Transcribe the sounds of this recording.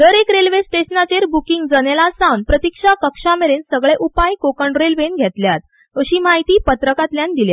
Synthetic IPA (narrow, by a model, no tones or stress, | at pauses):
d̪əɾekɾelʋesʈesnat͡ɕeɾbukiŋɡd͡zənelasawnpɾət̪ikʂakəkʂameɾensəɡɭeʔupajkokəɳɖɾelʋenɡʱɛt̪ljat̪̚ | əɕiːmaɦit̪iːpət̪ɾəkat̪ljand̪ilja̰t̪